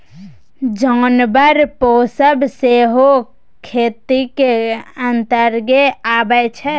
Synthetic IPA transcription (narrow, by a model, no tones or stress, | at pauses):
d͡ʒɔnbəɾposəbseɦo | kʰet̪ikeənt̪əɾɡeabɛt͡ʃʰɛ